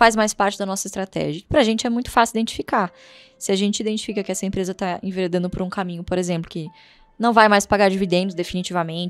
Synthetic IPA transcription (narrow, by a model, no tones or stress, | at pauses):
fajzmajspaɾt͡ʃɪd̪ɐnɔsɐɪst̪ɾat̪ɛ̰ʒiɐpɾɐʒẽnt͡ʃɪɛmũj̃t̪ʊ̥fasiuid̪ẽnt͡ʃi̥fika | sɪaʒẽnt͡ʃɪid̪ẽnt͡ʃi̥fikɐkɪɛsɐẽmpɾezɐt̪aḛ̃veɾed̪ɐ̃nd̪ʊpoɾũkamĩɲʊpoɾezẽmplʊkɪ | nɐ̃w̃vajmajspaɡaɾd͡ʒivid̪ẽnd͡ʒʊd̪efinit͡ʃivɐmẽnt͡ʃ